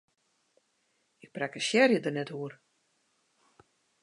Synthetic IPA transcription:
ɪk̚prɛkəʃjɛrjədərnɛthuər

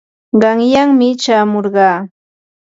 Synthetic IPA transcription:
ɢɑŋjaŋmɪt͡ʃaːmoɾɢɑː

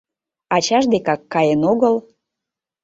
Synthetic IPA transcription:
ɑt͡ɕɑʒd̪ekɑkːɑjenoɣəl

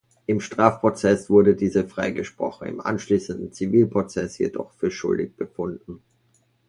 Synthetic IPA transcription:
ʔɪmʃtʁ̥aːfpʁ̥ot͡sɛsv̥ʊɐdədiːzəfʁ̥aɪɡəʃpʁ̥ɔ̰χn̩ɪ̰mʔa̰nʃliːsn̩dn̩t͡siviːlpʁ̥ot͡sɛsjḛdɔ̰χfyːɐʃʊ̰ldɪçb̥əfʊndn̩

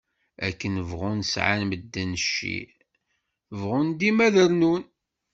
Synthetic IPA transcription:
ækːənəvʁunsʕa̰nməd̪ːænʃːḭ | vʁʊnd̪imæðəɾnun

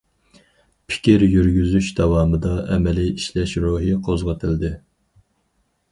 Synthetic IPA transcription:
pʰɪ̥kʲiɾjyɾɡʲyzyʃd̪ɑwɑːmɨd̪ɑʔɛmɛliiʃlɛʃɾuɦiqʰozʁət̪ʰɪld̪ɪ

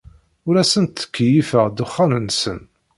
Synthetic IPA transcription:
ʊɾæsənt̪ːə̥kːjifəʁd̪ʊχːanənːsən

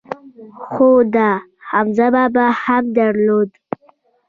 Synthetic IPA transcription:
xod̪a | hamzababahamd̪aɾlod̪

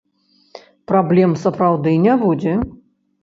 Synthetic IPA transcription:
pɾablʲɛmsɐpɾawd̪ɨnʲabud͡zʲɛ

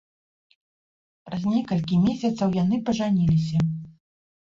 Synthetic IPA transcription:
pɾɐzʲnʲɛkɐlʲkʲimʲesʲɐt̪sɐwjanɨpɐʐanʲilʲisʲɐ

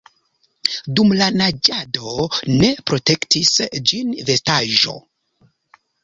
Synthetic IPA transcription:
dumlanad͡ʒado̞ne̞pɾo̞te̞ktisd͡ʒinve̞staʒo̞̰

